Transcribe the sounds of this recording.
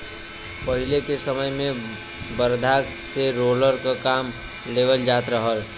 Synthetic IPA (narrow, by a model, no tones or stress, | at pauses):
pəɦɪlekesəməjmẽ | bəɾd̪ʱak | seɾoːləɾkakaːm | leːʋəld͡ʒaːt̪ɾəɦəl